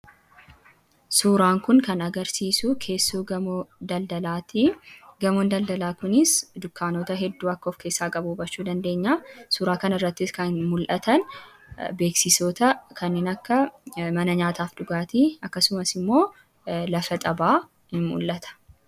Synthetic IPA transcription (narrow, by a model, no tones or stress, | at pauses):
suːɾaːŋkʊŋkɐnɐɡɐɾsiːsukʰe̞ːsːuːɡɐmd̪ɐld̪ɐlaːt̪iɡɐmond̪ɐld̪ɐlaːkʊnɪsd̪ʊkːaːnoːt̪ɐɦɛd̪ːuːɐkːɐɔfke̞ːsːaːkʼɐbuːbɐt͡ʃːuːd̪ɐnd̪e̞ːɲːaːsuːɾaːkɐnɐɪrːɐt̪ːɪskɐnmʊlʔɐt̪ʰɐn | be̞ːksɪsoːt̪ɐkʰɐnːeːnɐkːɐmɐnɐɲaːt̪aːfᶑʊɡaːt̪iɐkːɐsʊmɐsɪmːo̞ː | lɐfɐt̪ʼɐbaː | hɪnmʊ̰lʔɐt̪ʰɐ̥